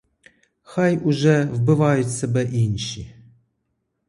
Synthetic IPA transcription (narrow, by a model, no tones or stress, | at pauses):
xajuʒɛvbɨvajut̪sɐbɛʔinʃi